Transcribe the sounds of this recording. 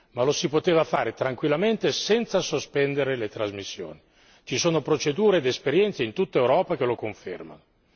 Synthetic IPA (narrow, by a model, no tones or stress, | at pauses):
malosipot̪eːvafaːɾet̪ɾaŋkwilːament̪esɛnt̪sasospɛnd̪eɾelet̪ɾazmisːjo̰ːni | t͡ʃisoːnopɾot͡ʃed̪uːɾed̪espeɾjɛnt̪seint̪ut̪ːaewɾɔːpak̟elokoɱfḛrma̰no